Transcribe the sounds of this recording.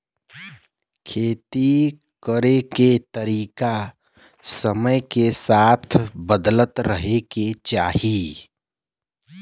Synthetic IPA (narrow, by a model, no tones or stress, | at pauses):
kʰeːt̪i | kəɾeket̪əɾiːka | səməjkesaːt̪ʰbəd̪lət̪ɾəɦeket͡ʃaːɦi